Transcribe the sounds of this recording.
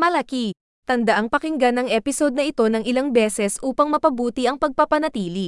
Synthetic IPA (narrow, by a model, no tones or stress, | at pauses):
mɐlɐki | t̪ɐnd̪ɐʔaŋpɐkɪŋɡanɐŋʔɛpɪso̞d̪̚nɐʔɪt̪o̞nɐŋɪlaŋbɛːsɛsʔuːpɐŋmɐpɐbuːt̪iʔɐŋpɐɡ̚pɐpɐnɐt̪iːli